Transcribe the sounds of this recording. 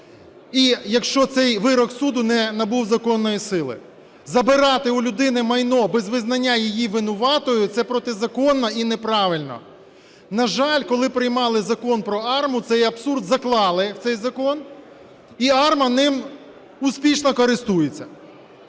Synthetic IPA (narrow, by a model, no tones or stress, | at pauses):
ijɐkʃt͡ʃɔt̪sɛjʋɪɾɔksud̪ʊnɛnɐbuwzɐkɔnːɔjisɪlˠɪ̰ | zɐbɪɾɑt̪ɪʊlʲʊd̪ɪnɪmɐjnɔbɛzʋɪznɐnʲːajijiʋɪnʊʋɑt̪ɔjʊt̪sɛpɾɔt̪ɪzɐkɔnːɔinɛpɾɑʋɪlʲnɔ̰ | nɐʒɑlʲkɔlˠɪpɾɪjmɑlˠɪzɐkɔnpɾɔɑrmʊt̪sɛjɐbsurd̪zɐklˠɑlˠɪwt̪ɛjzɐkɔn | iɑrmɐnɪm | uspʲiʃnɔkɔɾɪst̪ujet͡sʲːɐ